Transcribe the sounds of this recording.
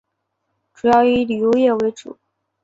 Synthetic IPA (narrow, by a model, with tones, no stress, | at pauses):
ʈ͡ʂu˨˩jɑ˥˩ʊi˧˥li˨˩jo˧˥ʊjɛ˥˩we˧˥ɪʈ͡ʂṵ˨˩˦